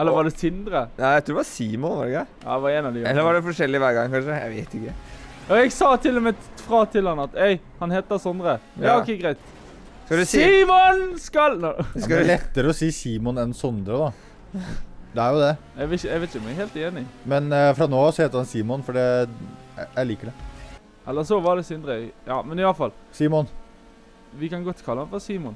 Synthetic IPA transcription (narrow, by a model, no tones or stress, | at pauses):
ɛləɾʋɑɖɛsɪnd̪ɾənææɪt̪ʰuːd̪ɛʋɑɾsiːmɔnʋɑ̰ɖɡɑjɑ̰ːd̪ɛʋɑɾɛːnɑʋd̪ɪɛlːəɾʋɑɖɛfɔʂɛlːɪʋæːɾɡɑ̰ŋːkɑnʂəjæ̰ɪʋeɪt̪ɪkːə | ɔɛɡsɑːt̪ʰɪlːɔmɛfɾɑt̪ʰɪlhɑnːəɑt̪ɛɪ | hɑnhɛːt̪̚d̪ɑsɔnd̪ɾəjɑːɔkːɛɡɾæɪt̪ | skɑd̪siːmɔnskɑlnlɛt̪ːəɾəɔsiːsiːmɔnɛnsɔnd̪ɾəd̪ɑ | d̪ɛæɾjʊd̪ɛ | ɛɡʋɛɛʋɛɪt̪ʊmɛɡheːlt̪eːnɪmɛnfɾɑnoːsɔheːt̪əɾhɑnsiːmɔnfɔɖɛ | jæɪliːkəɖɛ | ʔɛlːəsɔʋɑɖɛsɪnd̪ɾəjɑ̰ːmɛnɪʋɑlfɑlsiːmɔn | ʋɪkɑnɡɔt̪ːkʰɑlːəhɑnfɔɾsiːmɔn